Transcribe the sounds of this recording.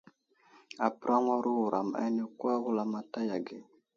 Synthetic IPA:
a˨pɾʔa˦ŋʷa˦ɾu˦u˨ɾʔa˨m˨a̰˦ni˦kwa˦ɣu˦la˦ma˦ta˦ja˨ɡe˨

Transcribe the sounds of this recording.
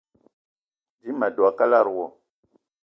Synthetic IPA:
d͡ʒi˦ma˨do˨a˨ka˦la˦˨ɾwo˨

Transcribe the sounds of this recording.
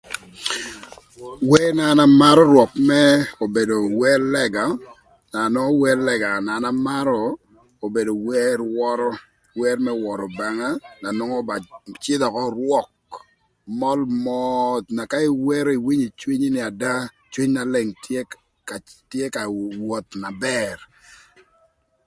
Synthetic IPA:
wɛ˦na˨na˦ma˦ɾɔ˦ɾwɔ˨p̚mɛ˦o˨be˨do˨wɛ˦lɛ˦ɡa˨ | na˨nɔ˦wɛ˦lɛ˨ɡa˨na˨na˦ma˦ɾɔ˨ | o˨be˨do˨wɛ˦ɾwɔ˦ɾɔ˦ | wɛ˦ɾmɛ˦wɔ˨ɾɔ˨ba˦ŋa˦na˨nɔ˦ŋɔ˦ba˨t͡ʃɪ˦d̪ɔ˨kɔ˦ɾwɔ˦k̚ | mɔ˦lmɔt̪na˨ka˦i˨wɛ˦ɾo˦i˨wi˦ɲi˨t͡ʃwi˦ɲ˦nɪ˨a˨da˦ | t͡ʃwi˦ɲna˨le˨ŋte˦ | ka˨tje˦ka˨wo˨t̪na˨bɛ˨r

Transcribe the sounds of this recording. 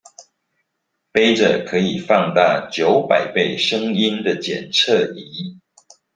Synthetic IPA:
pe˥ɪʈ͡ʂə˨˩kʰɤ˨˧˦i˨˩fɑ˥˧ŋt̪a˥˩t͡ɕjo˨˦ʊpa˨˩ɪpe˥˩ɪʂə˦ŋi˦nd̪ə˨t͡ɕjɛ̰˨˩nt͡sʰɤ˥˨i˨˦

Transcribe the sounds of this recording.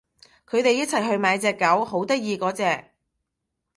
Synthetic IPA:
kʰɵ˨˧t̪e˨˧jɐ˥t̚t͡sʰɐ˨˩jɦɵ˧ɥmaː˨˧jt͡sɛː˧kːɐ˨˥who˨˥wt̪ɐ˥k̚jiː˧kɔː˨˥t͡sɛː˧k̚

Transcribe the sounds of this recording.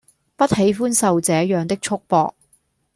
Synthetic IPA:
pɐ˥t̚he˨˥jfuː˥nsɐ˨wt͡sɛː˨˥jœː˨˧ŋt̪ɪ˥k̚t͡ʃʰʊ˥k̚pɔ̰ː˧k̚

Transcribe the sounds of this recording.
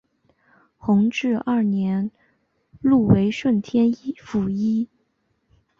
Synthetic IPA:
xʊ˧˥ŋʈ͡ʂɻ̩˥˧ɐ˞˥˩njɛ˧˥n | lu˥˩we˧˥ɪʂwə˥˩nt̪ʰjɛ˥n˥fu˨˩i˥

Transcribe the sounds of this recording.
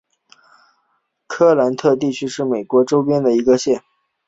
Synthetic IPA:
kʰɤ˥˩la˧˥nt̪ʰɤ˥˧t̪̬i˥˩t͡ɕʰy˥ʂɻ̩˥˩me˨˩ɪkwɔ˧˥ʈ͡ʂo˥ʊpjɛ˥nd̪ə˨i˧˥ɡə˧ɕjɛ˥˩n

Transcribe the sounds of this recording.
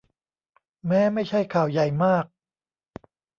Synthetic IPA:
mɛː˦˥ma˥˩jt͡ɕʰa˥˩jkʰaː˨˩wja˨˩jmaː˥˩k̚

